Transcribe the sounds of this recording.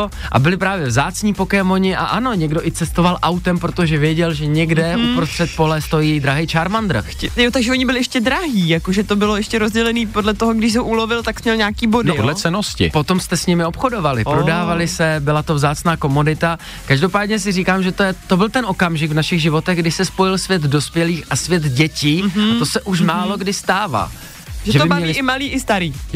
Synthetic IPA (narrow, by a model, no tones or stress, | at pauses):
ʔa̰bɪlɪpɾaːvjɛvzaːt͡sɲiːpo̞kɛmoɲɪʔa̰ʔano̞ɲɛɡdo̞ʔɪt͡sɛst̪ovalʔawt̪ɛmpɾot̪oʒɛvjɛɟɛlʒɛɲɛɡdɛʔupɾost̪r̥ɛt̪̚po̞lɛst̪o̞jiːd̪ɾaɦɛjt͡ʃaːɾmand̪ɾr̩xɛjot̪aɡʒɛoɲɪbɪlɪʔɛʃcɛdɾaɦiːjakoʒɛt̪obɪloɛʃcɛɾozɟɛlɛniːpodlɛt̪oɦoɡdɪʃsɛɦoʔulovɪlt̪aksmɲɛlɲaːkiːbodnlɛt͡sɛnoscɪ̰po̞t̪o̞mst̪ɛsɲɪmɪo̞pxodo̞valɪ̰pɾo̞daːvalɪsɛbɪlat̪o̞vzaːt͡snaːko̞mudɪt̪a | kaʒdopaːdɲɛs̬ɪriːkaːmʒɛt̪ojɛt̪o̞bɪlt̪ɛnʔo̞kamʒɪɡvnaʃɪɣʒɪvo̞t̪ɛɣɡdɪsɛspo̞jɪlsvjɛt̪do̞spjɛliːxʔasvjɛt̪ɟɛciːat̪osɛʔuʃmaːlo̞ɡdɪst̪aːva̰ː | ʒɛʒɛt̪obɪmbɲvɲɛilɪʔɪmaliːʔɪst̪aɾiː